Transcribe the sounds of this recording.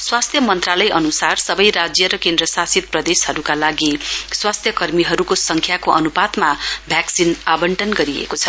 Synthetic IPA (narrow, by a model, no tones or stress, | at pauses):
swast̪ʰjʌmʌnt̪ralʌjʔʌnusarsʌbʌjɾad͡zjʌɾʌkend̪ɾʌsasit̪̚prʌd̪eshʌɾukalaɡiswast̪ʰjʌkʌrmiɦʌɾukosʌŋkʰjakoʔʌnubad̪mabʱjaksinabʌɳʈʌnɡʌɾiḛkot͡sʰʌ